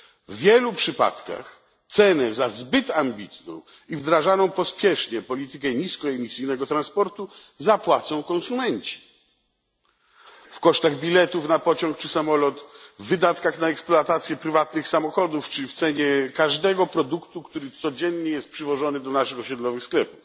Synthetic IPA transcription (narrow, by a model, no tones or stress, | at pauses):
vːʲjɛlupʂɘpa̰t̪ka̰x | t̪sɛnɛzazbɘt̪ambʲit̪nɔ̰̃w̃ | ivd̪ɾaʐanɔ̃w̃pɔspʲjɛʂɲɛpɔlʲit̪ɘkɛɲiskɔɛmʲisɘjnɛɡɔt̪ɾãnspɔɾt̪u | zapwat̪sɔ̃w̃kɔ̃nsumɛɲt͡ɕi̥ | fkɔʂt̪aɣbʲilɛt̪ufnapɔt͡ɕɔ̃ŋk̚t͡ʂɘsamɔlɔt̪vːɘd̪at̪kaxnaɛksplɔat̪at̪sʲjɛpɾɘvat̪nɘxsamɔxɔd̪uft͡ʂɘft̪sɛɲɛkaʐd̪ɛɡɔpɾɔd̪ukt̪ukt̪uɾɘt̪sɔd͡ʑɛnɲɛjɛst̪̚pʂɘvɔʐɔnɘd̪ɔnaʂɘxɔɕɛd̪lɔvɘxsklɛpuf